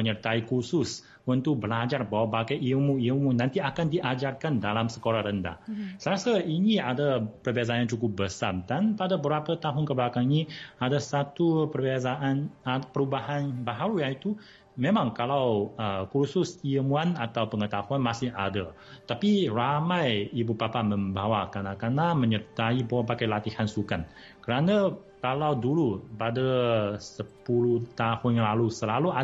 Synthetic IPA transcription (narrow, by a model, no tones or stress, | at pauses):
məɲərt̪aikusʊs | unt̪uk̚bəlad͡ʒarbawabaɡajʔiəmuiəmunːãnt̪iakandiʔad͡ʒarkandalamsə̥koɾahɾənda̰hsəɾasəiniadapərbiazaant͡ʃukʊp̚bəsa̰mdanpadabəbɾapət̪aɦʊnkəblakaŋiniadasat̪upərbiazaʔanpəɾubaɦanbaɦaɾujait̪u | mẽmãŋkalawəkursʊsiəmuanat̪awpəŋət̪ahuanmasɪha̰da | t̪apiramajibupapamə̃mbawakanakanaməɲərt̪aibawapakajlat̪ihansukan | kəɾanakalawdulupadəsəpuluht̪ahʊnjaŋlalusəlalua